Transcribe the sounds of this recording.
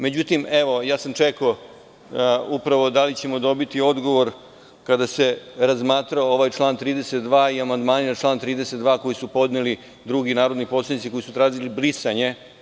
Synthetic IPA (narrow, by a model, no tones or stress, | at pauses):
me̞d͡ʑut̪imeʋo̞jaːsamt͡ʂeko | upɾaʋo̞d̪alit͡ɕe̞mo̞d̪o̞bit̪io̞d̪ɡo̞ʋo̞ɾ | kad̪ase̞ɾazmaːt̪ɾaooʋajt͡ʃlˠaːnt̪ɾiːd̪e̞se̞t̪d̪ʋaːiamand̪maːninaʈ͡ʂlˠaːnt̪ɾiːd̪e̞set̪d̪ʋaːko̞jisupo̞d̪neli | d̪ɾuɡinaːɾo̞d̪nipo̞t̪slanit̪siko̞jisut̪ɾaːziliblisaɲe̞